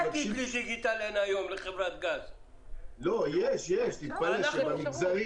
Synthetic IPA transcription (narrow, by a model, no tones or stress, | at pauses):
t̪iliʃikit̪alenajomleχevɾat̪ɡaz | lojɛʃjɛʃt̪it̪̚paleʃemamiɡzaɾi